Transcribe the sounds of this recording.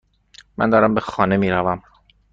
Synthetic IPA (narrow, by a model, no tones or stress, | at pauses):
mæ̰nd̪ɒːɾæmbe̞xɒːne̞miːɾævæm